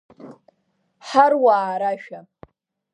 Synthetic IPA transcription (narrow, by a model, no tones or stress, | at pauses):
ħarwaːɾaʃᶣa